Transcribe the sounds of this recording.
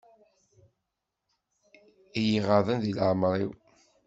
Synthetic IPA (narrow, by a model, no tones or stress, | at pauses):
ijiʁəðˤənðilʕmɾˤiw